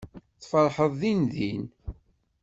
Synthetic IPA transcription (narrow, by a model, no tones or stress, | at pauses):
θfəɾˤħəðˤːinðin